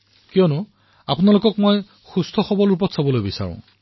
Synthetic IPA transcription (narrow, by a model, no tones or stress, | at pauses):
kijɔnʊ | apʊnalokɔkmoj | xustʰɔxɔbɔlup̬ɔtsabɔlojbisa̰ɹʊ̰̃